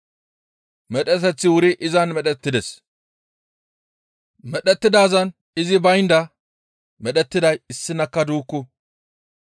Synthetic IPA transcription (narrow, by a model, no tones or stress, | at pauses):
mɛɗɛt̪ɛt͡sːɪwʊɾɪʔɪzɐnmɛɗɛt̪ːɪd̪ɛs | mɛɗɛt̪ːɪd̪aːzɐn | ɪzɪbɐjnd̪ɐ | mɛɗɛt̪ːɪd̪ɐjɪsːɪnɐkːɐd̪uːkːʊ